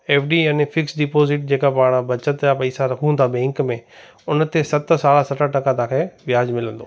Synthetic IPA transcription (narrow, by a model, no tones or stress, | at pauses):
eːfɖijaːnefʰɪksɖɪpoːzɪʈ̚d͡ʑeːkapaːɽ̃bɐt͡ʃət̪apɐiːsaɾɐkʰũə̃nd̪abɛ̃ːŋkmẽ | ʊnt̪esɐt̪saːlasɐʈəʈɐkãt̪ãːkʰeːʋɪjaːd͡ʑmɪlə̃nd̪oː